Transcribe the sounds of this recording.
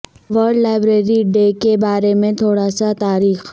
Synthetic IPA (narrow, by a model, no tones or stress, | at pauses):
ʋəɾɖlaːɪbɾeːɾiɖeːkebaːɾemẽt̪ʰoːɽasat̪aːɾiːx